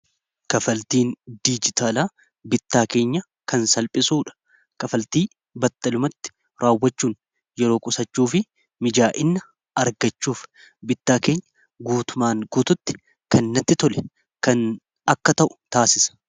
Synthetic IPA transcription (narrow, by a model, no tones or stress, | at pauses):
kɐfɐlt̪iːnd̪id͡ʒɪt̪ʰaːlaː | bɪt̪ːaːke̞ːɲːɐ | kɐnsɐlpʼɪsuːᶑɐ̥ | kʼɐfɐlt̪iː | bɐt̪ːɐlʊmɐt̪ːɪ̥ | ɾaːwːɐt͡ʃːuːn | jɛɾo̞ːkʼʊsɐt͡ʃːuːfɪ | mɪd͡ʒaːʔɪnːɐ | ɐɾɡɐt͡ʃːuːf | bɪt̪ːaːke̞ːɲːɐ̥ | ɡuːt̪ʊmaːŋɡuːt̪ʊt̪ːɪ̥ | kɐnnːɐt̪ːɪt̪ɔlɛ | kɐn | ɐkːɐt̪ɐʔʊ̥t̪aːsɪsɐ̥